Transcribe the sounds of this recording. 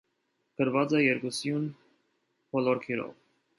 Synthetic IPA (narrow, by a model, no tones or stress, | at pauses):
kəɾvɑt͡sɛjɛɾkusjun | pɔlɔɾkʰiɾɔ̰v